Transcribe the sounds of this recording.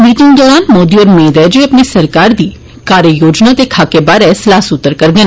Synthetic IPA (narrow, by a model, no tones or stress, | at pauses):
miːt̪ɪ̃ŋɡ̚d̪ɔːɾaːnmoːd̪iːɔːɾmeːd̪ɛːd͡ʒoəpnesəɾkaːɾd̪iː | kaːɾəjoːd͡ʒnaːt̪eːkʰaːkebaːɾɛːslaːsʊt̪ːəɾkəɾd̪eːn